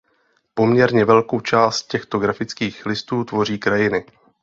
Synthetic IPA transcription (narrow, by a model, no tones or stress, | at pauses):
po̞mɲɛɾɲɛvɛlko̞wt͡ʃaːst̪̚cɛxt̪o̞ɡɾafɪt͡skiːxlɪst̪uːt̪vo̞r̝iːkɾajɪnɪ